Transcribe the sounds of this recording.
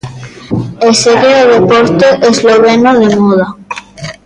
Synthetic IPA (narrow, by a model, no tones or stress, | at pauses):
eseɣeoðepoɾt̪oʔezloβenoðemoða